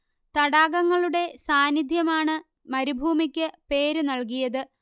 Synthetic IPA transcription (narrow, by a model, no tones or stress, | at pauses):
t̪ɐɽaːɡɐŋːɐɭuɽe̞saːnid̪ʱjɐmaːɳɨ | mɐɾubʱuːmikʲːɨpe̞ːɾɨnɐɭk̬ijɐðɨ